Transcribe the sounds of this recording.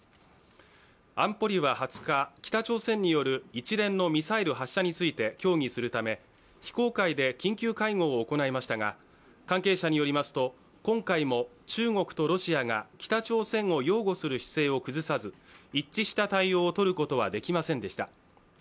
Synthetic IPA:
ãmpo̞ɾʲiβahat͡sɨ̥kakʲi̥t̪at͡ɕo̞ːsẽ̞ɲ̟ːijo̞ɾɯ̟it͡ɕiɾẽ̞nːo̞mʲisaiɾɯ̟ɦaɕːaɲ̟it͡sɨit̪e̞kʲo̞ːŋ̟isɨɾɯ̟t̪ame̞ | çi̥ko̞ːkaid̪e̞kʲĩŋkʲɨːkaiŋo̞ːko̞naemaɕi̥t̪aɡa | kãŋke̞ːɕaɲ̟ijoɾʲimasɨ̥t̪o̞ | kõ̞ŋkaimo̞ | t͡ɕɨːŋo̞kɯ̥t̪o̞ɾo̞ɕiaɡakʲi̥t̪at͡ɕo̞ːsẽ̞ɰ̃o̞jo̞ːɡo̞sɨɾɯ̟ɕi̥se̞ːo̞kɯ̟zɨsazɨit͡ɕːiɕi̥t̪at̪aio̞ːt̪o̞ɾɯ̟ko̞t̪o̞β̞ad̪e̞kʲimasẽ̞nd̪e̞ɕi̥t̪a

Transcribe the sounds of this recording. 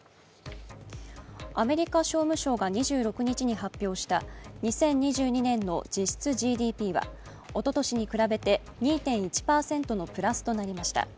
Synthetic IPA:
ame̞ɾʲikaɕo̞ːmɯ̟ɕo̞ːɡaɲ̟iʑɨːɾo̞kɯ̟ɲ̟it͡ɕiɲ̟iɦapʲːjo̞ːɕi̥t̪aɲ̟isẽ̞ɲ̟ɲiʑɨːɲ̟inẽ̞nːo̞̰d͡ʑiɕi̥t͡sɨʑiːd̪ʲiːpʲiːβa̰ | o̞t̪o̞t̪o̞ɕiɲ̟ikɯ̟ɾabe̞t̪e̞ | ɲ̟iːt̪ẽ̞ɰ̃it͡ɕi̥paːsẽ̞nt̪o̞no̞pɯ̟ɾasɨ̥t̪o̞naɾʲimaɕi̥t̪a̰

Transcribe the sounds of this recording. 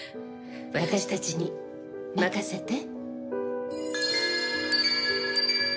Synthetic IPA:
βat̪aɕi̥t̪at͡ɕiɲʲi | makaset̪e

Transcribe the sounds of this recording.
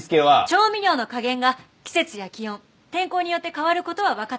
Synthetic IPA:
sɨ̥keβat͡ɕo̞ːmʲiɾʲo̞ːno̞kaɡẽ̞ŋɡa | kʲi̥se̞t͡sɨjakʲijõ̞n | t̪ẽ̞ŋko̞ːɲ̟ijo̞t̪ːe̞kaβaɾɯ̟ko̞t̪o̞βaβakat̪

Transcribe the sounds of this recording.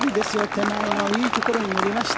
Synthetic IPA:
ɾʲid̪e̞sɨjot̪ːenaiːt̪o̞ko̞ɾo̞ɲ̟inoɾʲimaɕi̥t̪

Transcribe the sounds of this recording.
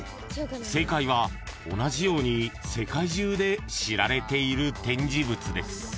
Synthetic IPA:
se̞kaiβ̞ao̞naʑijo̞ːɲ̟ise̞kaiʑɨːd̪e̞ɕiɾaɾe̞t̪e̞iɾɯ̟t̪ẽ̞ɲ̟d͡ʑibɯ̟t͡sɨd̪e̞̰sɨ̥

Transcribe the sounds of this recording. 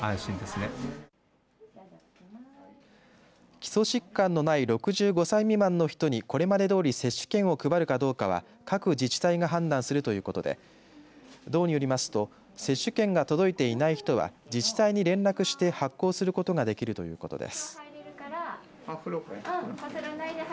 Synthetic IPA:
ãɰ̃ɕĩnd̪esɨne | kʲi̥so̞ɕikːãnːo̞naiɾo̞kɯ̟ʑɨːɡo̞saimʲimãnːo̞çi̥t̪o̞ɲ̟iko̞ɾe̞mad̪e̞d̪o̞ːɾʲise̞ɕːɨ̥kẽ̞ɰ̃o̞kɯ̟baɾɯ̟kad̪o̞ːkaβ̞a̰ | kakɯ̟d͡ʑit͡ɕi̥t̪aiɡaɦãnd̪ãɰ̃sɨɾɯ̟t̪o̞jɯ̟ːko̞t̪o̞d̪e̞̰ | d̪o̞ːɲ̟ijo̞ɾʲimasɨ̥t̪o̞ | se̞ɕːɨkẽ̞ŋɡat̪o̞d̪o̞it̪e̞inaiçi̥t̪o̞βa̰ | d͡ʑit͡ɕi̥t̪aiɲ̟iɾẽ̞nakɯ̟ɕi̥t̪e̞hakːo̞ːsɨɾɯ̟ko̞t̪o̞ɡad̪e̞kʲiɾɯ̟t̪o̞jɯ̟ːko̞t̪o̞d̪e̞̰sɨ̥

